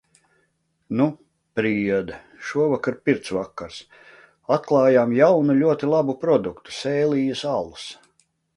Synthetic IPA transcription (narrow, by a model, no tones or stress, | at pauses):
nu | pɾiɛd̪ɐ | ʃuɔvakaɾpʲiɾt̪svakːaɾs | at̪̚klˠɑːjaːmjawnulʲuɔt̪ilˠabupɾɔd̪ukt̪u̥sɛːlʲiːjəsalˠus